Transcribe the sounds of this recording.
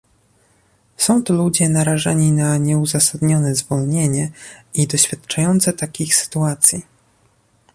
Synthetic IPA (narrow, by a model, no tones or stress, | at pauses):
sɔ̃w̃t̪ɔlud͡ʑɛnaɾaʐaɲinaɲɛuzasad̪ɲɔnɛzvɔlɲeɲɛid̪ɔɕfʲjat̪t͡ʂajɔnt̪sɛt̪akʲixsɘ̥t̪uat̪sʲji